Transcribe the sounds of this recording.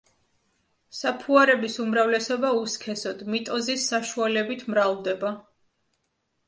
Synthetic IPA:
sapʰuaɾɛbisumɾavlɛsɔbauskʰɛsɔd̪mit̪ʼɔzisːaʃualɛbit̪ʰmɾald̪ɛba

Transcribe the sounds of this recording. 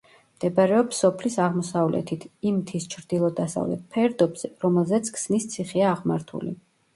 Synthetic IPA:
md̪̥ɛbaɾɛɔpsɔpʰlisaʁmɔsavlɛ̰t̪ʰit̪ʰimt̪ʰist͡ʃʰɾd̪̥ilˠɔd̪asa̰vlɛ̰t̪̚pʰɛɾd̪ɔbz̥ɛɾɔmɛlˠzɛt̪sʰkʰsnist̪sʰiχiaːʁmaɾt̪ʰṵlḭ

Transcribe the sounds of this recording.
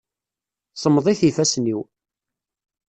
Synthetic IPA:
sˤəmðˤiθifæsniw

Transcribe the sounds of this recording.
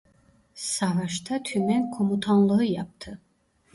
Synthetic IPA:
savaʃt̪ʰat̪ʰymɛnkʰomut̪ʰanlˠɯɯjap̚t̪ʰɯ

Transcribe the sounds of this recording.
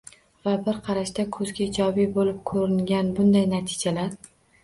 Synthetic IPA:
vabɪɾqʰɑɾaʃd̪akʰɵzɡʲaɪd͡ʒɒbibolɪp̚kʰɵɾɪŋɡʲanbʊnd̪ajnat̪ʰɪ̥d͡ʒalaɾ

